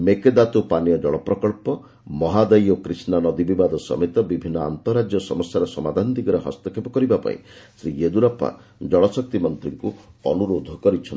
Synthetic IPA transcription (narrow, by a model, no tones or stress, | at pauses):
meked̪at̪upanjɔd͡ʒɔɭɔpɾɔkɔɭpɔ | mɔɦad̪ɔjokɾisnanɔd̪ibibad̪ɔsɔ̰met̪ɔbibʱinːɔa̰nt̪ɔɾad͡ʒjɔsɔmɔsjaɾɔsɔmad̪ʱand̪iɡɔɾeɦɔ̰st̪ɔkʰepɔkɔɾibapa̰ḭsɾied̪uɾapa̰ | d͡ʒɔɭɔsɔk̚t̪imɔnt̪ɾiŋkuɔnuɾod̪ʱɔkɔɾit͡ʃʰɔn